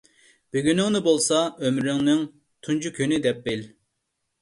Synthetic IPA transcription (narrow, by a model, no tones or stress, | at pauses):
b̥yɡʲynɪŋnɨbolˠsɑømɾyŋnɪŋ | t̪ʰund͡ʒukʲʰynɪd̪ɛp̚bɪl